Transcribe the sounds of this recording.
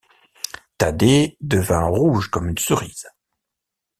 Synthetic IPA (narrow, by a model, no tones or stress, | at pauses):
t̪ad̪ed̪əvɛ̃ʁuʒkɔmynsuʁiːz̥